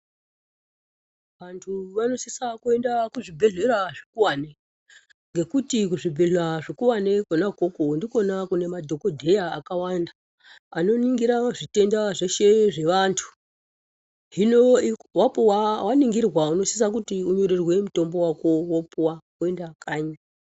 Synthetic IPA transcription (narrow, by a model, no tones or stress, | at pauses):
ʋantʰuʋano̞sisakue̞ndakuʐibʱe̞ɮe̞ɾaʐikuwane | ŋɡe̞kutikuʐibʱe̞ɮaʐikuwane̞konakokondiko̞nakune̞madʱo̞kodʱe̞jaːkawanda | ano̞niŋɡiɾaʐite̞ndaʐe̞ʃe̞ʐe̞ʋantʰu̥ | ɦinowapuwawaniŋɡirwauno̞si̥s̬ak̬utiuɲo̞ɾerwe̞muto̞mbo̞wako̞wopuwake̞ndakaːɲa